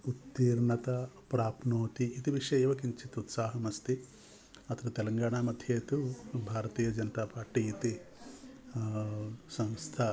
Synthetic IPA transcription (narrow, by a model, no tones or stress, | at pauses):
ut̪ːiːɾɳɐt̪ɐpɾaːpnoːt̪iːt̪iʋiʂɐjɐʋɐkiɲt͡ʃit̪ut̪saːɦɐmɐst̪i | ɐt̪ɐɾɐt̪ɛlɐŋɡaːɳaːmɐd̪ʱjeːt̪ubʱaːɾɐt̪iːjɐd͡ʒɐnɐt̪aːpaːɾʈiːit̪i | sɐ̃nst̪ʰɐ